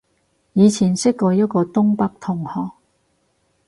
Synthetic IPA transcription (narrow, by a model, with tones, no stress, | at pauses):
jiː˨˧t͡sʰiː˨˩nsɪ˥kkːɔː˧jɐ˥t̚kɔː˧t̪ʊ˥ŋpɐ˥k̚t̪ʰʊ˨˩ŋhɔː˨˩k̚